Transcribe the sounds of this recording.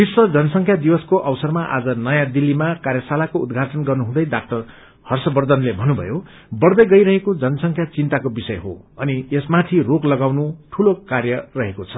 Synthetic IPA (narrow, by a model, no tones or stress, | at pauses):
biswʌd͡zʌnʌsʌŋkʰjad̪iwʌskoʔʌwsʌrmaʔa̰d͡zʌnʌjãd̪ilːimakarjʌsalakoud̪ɡʱaʈʌnɡʌrnuɦũd̪ʌjdak̚ʈʌr | hʌrsʌbʌrd̪ʱʌnlebʱʌnːubʱʌ̰jo | bʌrd̪ʌjɡʌjɾʌɦekod͡zʌnʌsʌŋkʰjat͡sint̪akobisʌjɦo̰ʌniesmat̪ʰiroklʌɡawnuʈʰulokarjʌrʌɦekot͡sʰʌ